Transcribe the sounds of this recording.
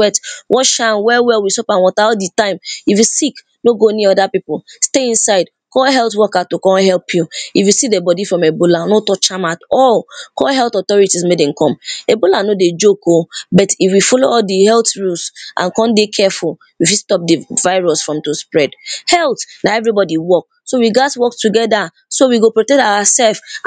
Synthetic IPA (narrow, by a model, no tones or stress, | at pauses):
wɛtwʔɔʃanwɛwɛlwisɔpãnwɔtaʊt̚ditãɪ̃mifwisik | noɡoniɔdapipɔlsteĩnsaɪd | kɔɦɛlˠtwɔkatokɔ̃hɛlˠpʰjuifwisidebɔdifɹɔ̃mebolanotɔt͡ʃãmatɔlkɔɦɛltɔtɔɹitismedɛ̃nkʰɔ̃mebolanoded͡ʒokobɔtifwifɔloɔdihɛltɹusʔã̰nkɔ̃ndekʰɛful | wifistɔp̚dəvaɪɹɔsfɹɔ̃mtuspɹɛdhɛlˠtnaɛvɹibɔdiwɔk̚ | sowiɡatwɔk̚tuɡɛda | sowiɡopɹɔtɛk̚taasɛlf